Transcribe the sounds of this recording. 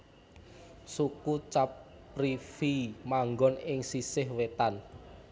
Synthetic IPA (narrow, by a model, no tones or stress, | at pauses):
sukut͡ʃap | rifimaŋɡɔnɪŋsisɪhwet̪an